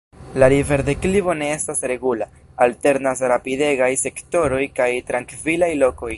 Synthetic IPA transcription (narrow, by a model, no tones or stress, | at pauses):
lalive̞ɾde̞klibo̞ne̞estasɾe̞ɡula | alte̞ɾnasɾapide̞ɡajse̞kto̞ɾo̞jkajtɾaŋkvilajlo̞ko̞j